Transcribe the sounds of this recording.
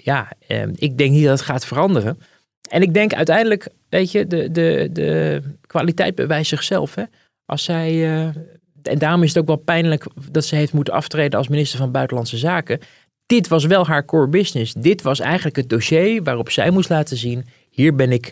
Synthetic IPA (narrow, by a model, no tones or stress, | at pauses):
jaːə̰ɪɡ̚dɛŋk̚nidɑdətχaːtfərɑndərən | ɛnɪɡ̚dɛŋkœ̰ɥtɛjndələk | ʋejtədədədə̰kʋaːlitɛjdzbə̰ʋɛjsɪχsɛ̰lˠfɦɛ | ʔɑ̰lˠsɛjə | ɛ̰ndaːrɔmɪs̬ətowkʋɛlˠpɛjnləkd̥ɑtsɛɦeftmutənɑ̰ftrejdənɑ̰lˠsminɪstəɹvɑnbœɥtəlɑntsəzaːkə | d̥ɪtʋɑs̬ʋɛlˠɦaːɹkʊːɹbɪsnɪsdɪtʋɑsɛ̰jχənləkɦət̚doʃejʋaːrɔpsɛ̰jmustlaːtənzin | hiːɹbɛnɪk